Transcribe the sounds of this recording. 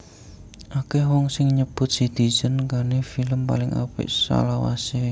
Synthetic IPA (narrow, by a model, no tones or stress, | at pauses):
ʔakehwɔŋsɪŋɲəb̥ʊt̪̚sid̪̥i̤̥d͡ʒ̥ənkanefiləmpa̰lɪŋʔa̰pɪ̰ʔsa̰lawa̰se